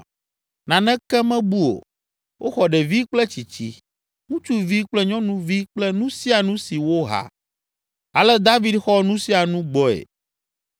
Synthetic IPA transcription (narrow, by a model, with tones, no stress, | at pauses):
nã˨nɛ̃˦kɛ˦mɛ̃˦bu˦o̰˨ | wʔo˦xɔ˨ɖɛ˨vi˦k͡plɛ˦t͡ɕi˨t͡ɕi˦ | ŋũ˦t͡ʃu˦vi˦k͡plɛ˦ɲɔ̃˦nũ˦vi˦k͡plɛ˦nũ˦si˦a˨nũ˦si˨wo˦ɦa̰˨ | a˨lɛ˦d̪a˦vi˦dxɔ˦nũ˦si˦a˨nũ˦ɡ͡bɔ˦ḛ˨